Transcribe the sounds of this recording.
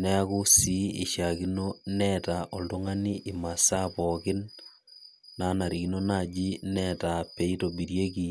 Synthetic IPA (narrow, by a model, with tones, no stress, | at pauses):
nɛ˦a˦ku˦si˦i˨ʃa˨ɣi˦nonɛta˨ʔɔ˨ldu˦ŋa˦ni˦ʔi˨ma˨sa˦pɔ˨kɪ˦n | a˦na˨ɾi˨kino˦na˦d͡ʒi˦nɛ˦ta˨pe˨i˦to˨biɾje˦ki˨